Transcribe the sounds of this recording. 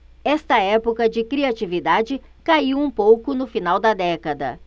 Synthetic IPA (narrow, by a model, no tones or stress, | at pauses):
ɛst̪ɐɛpokɐd͡ʒɪkɾiat͡ʃivid̪ad͡ʒɪkaiwũpowkʊnʊfinawd̪ɐd̪ɛkɐd̪ɐ̰